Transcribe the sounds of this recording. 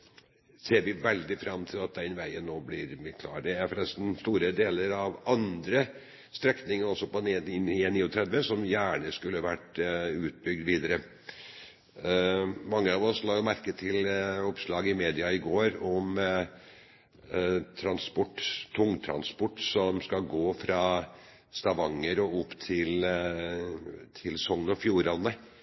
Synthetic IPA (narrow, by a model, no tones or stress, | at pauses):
seːɾʋɪʋɛld̪ɪfɾɑmt̪ʰɪlɑt̪̚d̪ɛnʋæɪənːoːblɪɾbɪkʰlɑ̰ːɾd̪ɛæɾfɾɛst̪n̩st̪uːɾəd̪eːləɾɑʋɑnd̪ɾə | st̪ɾɛknɪŋəɾɔsːɔpɔnɪnɪɛnːiːʊt̪ʰɾɛd̪ʋəsɔmjæːɳəskʉlːəʋæʈʉːt̪̚bʏɡ̚d̪ʋiːd̪əɾə | mɑŋːəɑʋɔslɑːjʊmæɾkət̪ʰɪlɔpʂlɑːɡəɪmeːd̪ɪɑɪɡoːɾɔm | t̪ʰɾɑnspɔʈːt̪ʰʊŋːt̪ʰɾɑ̰nspɔʈːsɔmskɑɡoːfɾɑː | st̪ɑʋɑŋːəɾɔʊpːt̪ʰɪl | t̪ʰɪlsɔŋnɔfjuːɾɑnə